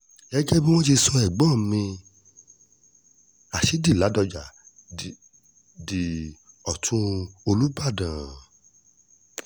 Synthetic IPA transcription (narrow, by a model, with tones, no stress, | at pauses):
ɛ˦ɡɛ˦bĩ˦w̃ɔ̃˦t̬i˧sɔ˧ɛ˨ɡ͡bɔ̃˦˨mĩ˧ | a˨ʃe˨˦di˦˨la˨˦dɔ˧d͡ʒa˨ | di˨ | ɔ˨tʰũ˦o˧lu˦ba˦˨dã˨